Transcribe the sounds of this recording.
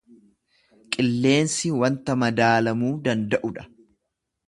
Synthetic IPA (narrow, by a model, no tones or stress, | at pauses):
kʼɪlːe̞ːnsɪwɐnt̪ɐmɐd̪aːlɐmuːd̪ɐnd̪ɐʔʊᶑɐ̥